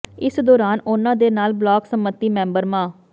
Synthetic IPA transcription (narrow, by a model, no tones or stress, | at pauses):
ɪsd̪ɔːɾaːnʊnãːd̪eːnaːlblɔːksəmət̪ːiːmɛ̃ːmbəɾmãː